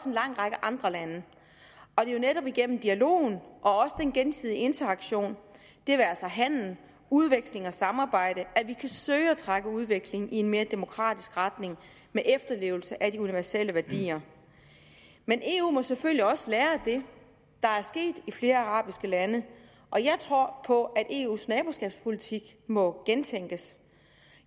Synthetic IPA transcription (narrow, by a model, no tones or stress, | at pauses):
ɒsenlɑ̈ŋ̰ʁɑ̈ɡ̥əʔɑ̈nd̥ʁɐlænə | ɒ̽d̥e̝jo̝neɾɒ̽b̥iɡ̥en̰m̩d̥iælo̝̰ːn̩ʔɒ̽ɒ̽səd̥enɡ̥ensið̞ˠie̝nt͡sʰɐɑ̈ɡ̥ɕo̝̰ːn | d̥e̝ʋæælsɐɦæn̰ln̩ | uð̞ˠʋeɡ̥sle̝ŋɒ̽sɑ̈mɑ̈ːb̥ɑ̈ɪ̰ɾ̥əæʋikʰæsøːɪæt͡sʰʁɑɡ̥əuð̞ˠʋeɡ̥le̝ŋie̝nme̝ːɐd̥e̝mo̝kʰʁɑ̰̈ːd̥isɡ̥ʁɑd̥ne̝ŋ | meʔefd̥ɐle̝̰ːʊl̩səʔæd̥iuniʋæɐseləʋæɐd̥ḭːɐ | menʔe̝̰ːṵːmɒ̽seføl̰ljiɒ̽səlæːɐd̥e̝ | d̥ɑ̈æɐsɡ̥e̝̰ːd̥ifle̝ːɐɑ̈ʁɑ̰̈ːb̥isɡ̥əlænə | ʔɒ̽jɑ̈ɪt͡sʰʁo̝ɐ̰pʰɒ̽ʔæd̥ʔe̝̰ːṵːsnɛːb̥usɡ̥ɛ̰ːb̥spʰo̝lit͡sʰiɡ̥mɒ̽ɡ̥ent͡sʰeŋ̰ɡ̥əs